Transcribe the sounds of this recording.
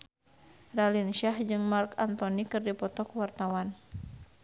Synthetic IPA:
ralinʃahd͡ʒɨŋmarkant̪ɔnikɨrdipɔt̪ɔkuwart̪awan

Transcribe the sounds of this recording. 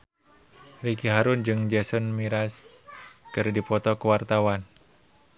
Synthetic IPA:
rikiɦaɾʊnd͡ʒɨŋd͡ʒɛsɔnmiɾas | kɨrdipɔt̪ɔkəwart̪awan

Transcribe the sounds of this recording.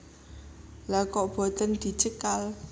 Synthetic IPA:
lakɔʔb̥ɔ̤t̪ənd̪̥i̤t͡ʃəkal

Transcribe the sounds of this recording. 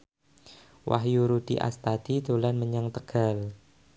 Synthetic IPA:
wa̰ɦjuɾud̥iʔa̰st̪ad̪̥id̪olanməɲaŋt̪əɡ̥a̤l

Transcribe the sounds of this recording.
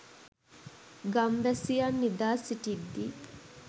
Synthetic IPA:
ɡɐmʋæsijanːid̪aːsiʈid̪ːi

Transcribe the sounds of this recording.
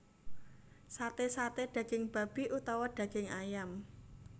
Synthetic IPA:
sat̪esat̪eɖ̥ä̤ɡ̥ɪŋb̥a̤b̥i̤ʔut̪ɔwaɖ̥ä̤ɡ̥ɪŋajam

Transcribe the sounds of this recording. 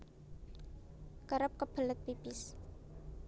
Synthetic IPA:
kəɾəp̚kəb̥ələt̪̚pibɪs

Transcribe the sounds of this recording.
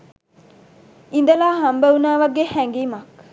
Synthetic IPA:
in̆d̪əlaːɦambəunaːʋaɡehæŋɡiːmak

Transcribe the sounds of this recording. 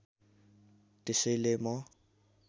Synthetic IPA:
tʼɪselemɔ

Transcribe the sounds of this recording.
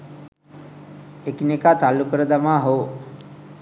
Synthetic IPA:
ekinekaːt̪alːukəɾəd̪amaːɦoː

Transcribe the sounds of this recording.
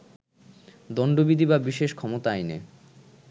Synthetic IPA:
d̪ɔnɖobid̪ʱibabiʃeʃkʰɔmot̪aajnḛ

